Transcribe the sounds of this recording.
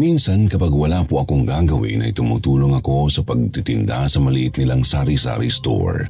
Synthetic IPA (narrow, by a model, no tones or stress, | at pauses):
minsɐnkɐpaɡwɐlaːpoʔɐkoŋɡaːɡɐwḭnʔɐ̰jt̪ʊmṵːt̪uːlo̞ŋɐko̞sɐpɐɡ̚t̪it̪ɪnd̪a̰sɐmɐliʔɪt̪̚nɪlaŋsaːɾisa̰ːɾḭst̪o̰ɹ